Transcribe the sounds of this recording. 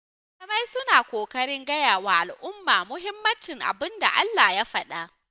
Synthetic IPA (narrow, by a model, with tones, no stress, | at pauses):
lɐ˦ma˦jsʊ˦naː˨kʷoː˨kɐ˦ɽɪ˦ŋɡɐ˦jaː˨waː˦˨ʔa˨lʔʊ˦mːaː˨mʊ˦ɦɪ˦mːɐ˦nt͡ʃɪ˨ŋʔa̰˨bɪ˦nda̰˨ʔa̰˦lːaː˨ja˦ɸɐ˨ɗa˦ʔ